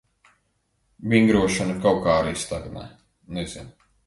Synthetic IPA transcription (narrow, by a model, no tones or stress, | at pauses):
vʲiŋɡɾuɔʃanɐkawkaːɾist̪aɡnɛ̰ | nez̥in